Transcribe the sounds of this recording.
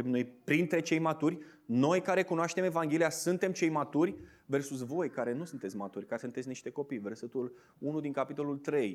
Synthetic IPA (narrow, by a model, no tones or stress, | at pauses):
mnojpɾint̪ɾe̞t͡ʃe̞jmat̪urʲ | no̞jkaɾe̞kunoaʃt̪e̞me̞vaŋɡʲe̞lijasunt̪e̞mt͡ʃe̞jmat̪urʲ | ve̞rsusvo̞jkaɾe̞nusunt̪e̞t̪sʲmat̪urʲkasunt̪et̪sʲniʃʲt̪e̞ko̞pijve̞rset̪ul | unud̪iŋkapit̪o̞lult̪ɾe̞j